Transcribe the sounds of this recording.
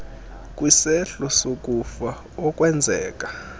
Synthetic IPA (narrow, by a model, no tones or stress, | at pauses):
k̬ʼwisɛɬɔsok̬ʼufa | ɔk̬ʼwɛnd͡zʱɛːk̬ʼḁ